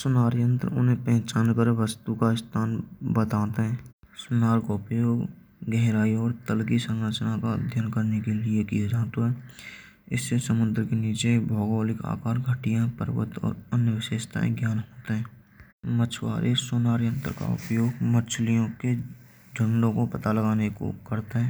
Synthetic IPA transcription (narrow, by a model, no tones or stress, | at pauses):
sʊnaːɾjə̃nt̪ɾʊ̰nɦẽpɛɦt͡ʃaːnkəɾʋəst̪ukaɪst̪ʰaːnbət̪aːt̪eɦɛ̃ː | sʊnaːɾkaʊpjoːɡ | ɡɛɦɾaːiɔːɾt̪əlkisə̃ŋɾət͡ʃnaka̰d̪ʱjənkəɾnekelɪekiad͡ʒaːt̪oɦɛː | ɪ̰sːesəmʊ̃nd̪ɾkeniːt͡ʃebʱɔːɡoːlɪka̰ːkaːɾɡʱəʈijãpə̰ɾʋə̰t̪ɔ̰ːɾənjəʋɪʃeːʃt̪ʰa̰ːḛ̃ɡjaːnɦoːt̪eɦɛ̃ː | mət͡ʃʰwa̰ːɾʔesʊnaːɾjə̃nt̪ɾka̰ʊ̰pjoːɡmət͡ʃʰlijõke | d͡ʒə̃ɳɖõkopət̪aləɡaːneko̰kəɾt̪eɦɛ̃ː